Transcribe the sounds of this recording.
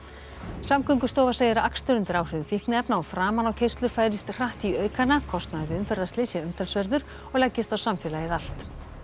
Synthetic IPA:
samkʰœŋkʏst̪ɔːvasejðɪɾaakst̪ʏɾʏnt̪ɪɾaːwr̥ɪðʏnfihknɪɛpnaɔfɾaːmanawcʰejst̪lʏɾfaːjɾɪst̪r̥aht̪iœːɥkʰanːakʰɔst̪naðɪðɪʏmfɛɾðaslɪsjaʏmt̪ʰɛlsvɛɾðʏɾ̥ | ɔɣlajcːɪst̪awsamfɛːlajɪðal̥t̪

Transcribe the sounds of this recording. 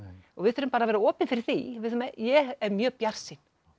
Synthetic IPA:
ɔɣvɪðθʏɾʏmpaːɾavɛːɾaɔːpɪnfɪɾɪɾ̥θḭvɪðθmɛjɛɛɾmjœːpjar̥sin̥

